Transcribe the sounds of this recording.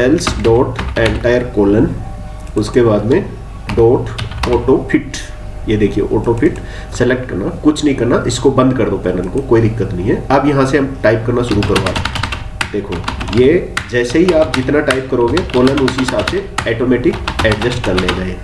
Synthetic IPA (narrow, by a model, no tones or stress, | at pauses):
ɛlsɖɔːʈɛ̃ːɳʈaːjəɾkoːlən | ʊskebaːd̪mẽ | ɖɔːʈɔːʈopʰɪʈ | jed̪eːkʰiḛʔɔːʈopʰɪʈ | sɛlek̚ʈkɐɾnakʊt͡ʃʰnɐɦĩkɐɾnaʔɪskobɐ̃nd̪̚kɐɾd̪opɛːnəlkokoːid̪ɪkːət̪nɐɦĩɦɛɐbjɐɦãseɦɐmʈaːɪp̚kɐɾnaʃʊɾukɐɾõa̰ː | d̪̥eːkʰoːjeːd͡ʒɛːseɦiaːp̚d͡ʒɪt̪naʈaːɪp̚kɐɾoːɡekoːlənʊsɦɪsaːbseɛːʈoːmɛːʈɪkɛːɖd͡ʒəsʈkɐɾned͡ʒaːeː